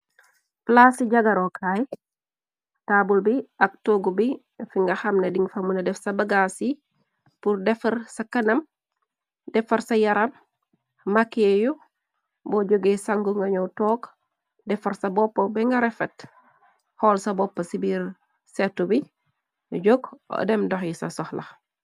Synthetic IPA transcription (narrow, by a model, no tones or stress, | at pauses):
plasiɟaɡaɾokʰaj | taːbulbiak̚toɡubi | fiŋɡɐxɐmnediŋɡfamunedɛfsɐbaɡasi | puɾdɛfɐɾsakɐnɐm | dɛfɐɾsɐjɐɾam | makːeju | bɔɟoɡesaŋɡuŋɡɐɲowtɔːk | dɛfɐɾsɐbɔpːobɛŋɡɐɾɛfɛt | hɔːlsɐbɔpːɐsibiɾ | sɛtːubi | ɟoɡɔ̰dɛmdoxjisɐ̰sɔxlɐ̰x